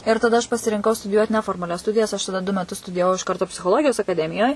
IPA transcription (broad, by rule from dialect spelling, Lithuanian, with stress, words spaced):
ɪr tɐˈdɐ ɐʃ pɐsʲɪrʲɪŋˈkɐʊ stʊdʲɪˈjuɔt nʲɛfoːrmɐˈlʲɛs ˈstʊdʲɪjɛs ɐʃ tɐˈdɐ dʊ mʲɛˈtʊs stʊdʲɪjɛˈʋɐʊ ɪʃ ˈkɐrtoː pʲsʲɪxoːˈlˠoːɡʲɪjoːs ɐkɐˈdʲæːmʲɪjoːj